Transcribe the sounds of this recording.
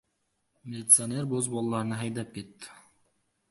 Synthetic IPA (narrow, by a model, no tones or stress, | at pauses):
mʲɪlʲɪt̪sɨaneɾbozbolˠɑlˠɑɾnɑɦɑjd̪ɑp̚ket̪ːɪ̥